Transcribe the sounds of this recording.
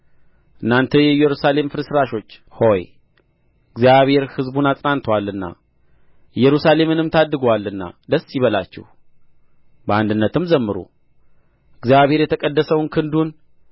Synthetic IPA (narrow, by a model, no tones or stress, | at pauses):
ʔɨnːant̪ʰəjɛjɛɾusale̞mfɨɾsɾaʃo̞t͡ʃːho̞j | ɨɡzijaβe̞ɾhɨzbunat̪ʼnant̪ʰəwalːɨnːa̰ | jɛɾusale̞mɨnɨmt̪ʰad̪ːɨɡwalːɨnːa̰d̪əsjɪβəlat͡ʃːɛ̰h | bəand̪ɨnːət̪ʰɨmzəmːɨɾṵ | ɨɡzjaβhe̞ɾjɛt̪ʰəkʼəd̪ːəsəwnkʰɨnd̪un